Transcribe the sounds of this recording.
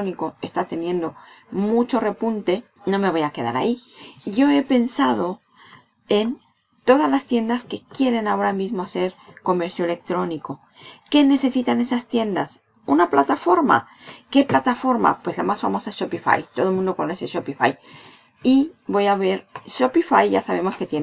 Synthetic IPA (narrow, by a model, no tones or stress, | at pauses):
onikoe̞st̪at̪e̞njẽ̞nd̪o̞ | mut͡ʃo̞re̞punt̪e̞ | no̞me̞β̞o̞jake̞ða̰ɾa̰iɟ͡ʝo̞e̞pe̞nsaðo̞ | e̞n | t̪o̞ð̞azlast̪je̞nd̪aske̞kje̞ɾe̞nao̞ɾamizmo̞ase̞ɾko̞me̞ɾθjoe̞le̞k̚t̪ɾo̞niko̞ | ke̞ne̞se̞sit̪ane̞sast̪je̞nd̪as | unaplat̪afo̞ɾma̰ | ke̞plat̪afo̞ɾma̰pwe̞slamasfamo̞saesʃopifa̰jt̪o̞ð̞omũnd̪o̞koneseʃopifa̰j | iβo̞jaβe̞ɾʃopifajʝa̰saβ̞e̞mo̞ske̞t̪je